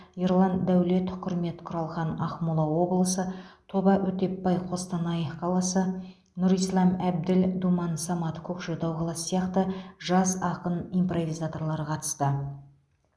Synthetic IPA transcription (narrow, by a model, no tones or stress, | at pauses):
iɾlˠɑnd̪æwle̞t̪qʰʏɾme̞t̪qʰʊɾɑlˠʁɑnɑχmulˠɑwo̞blˠəsət̪ʰo̞bɑʔɵt̪e̞pbɑjqʰo̞st̪ɑnɑjqʰɑlˠɑsə | nʊɾijslˠɑmæb̚d̪ɪld̪umɑnsɑmɑt̪kʲʰɵkʒod̪ɑwqʰɑlˠɑsə̥sijɑqt̪əʒɑsɑqənijmpro̞vijzat̪o̞ɾlˠɑɾəqʰɑt̪ə̥st̪ə